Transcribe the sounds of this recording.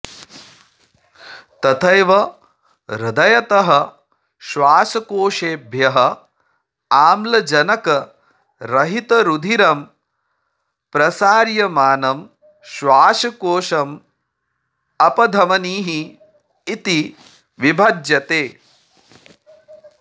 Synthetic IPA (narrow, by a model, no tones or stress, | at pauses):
t̪ɐt̪ʰɐjʋɐ | ɾɐd̪ɐjɐt̪ɐɦɐ̆ | ʃʋaːʃɐkoːʃeːbʱjɐɦɐ | aːmlɐd͡ʒɐnɐkɐ | ɾɐɦit̪ɐɾud̪ʱiɾɐm | pɾɐsaːɾjɐmaːnɐm | ʃʋaːʃɐkoːʃɐm | ɐpɐd̪ʱɐmɐniːɦiː | t̪i | ʋibʱɐd͡ʒjɐt̪eː